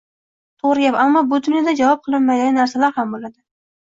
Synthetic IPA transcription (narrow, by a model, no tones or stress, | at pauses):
t̪ʰoʁɾɪjʲapamːɒbʊd̪ʊnjɒd̪ad͡ʒavɒp̚qʰɨlˠɪmmːajd̪anaɾsalaɾhambolad̪ɪ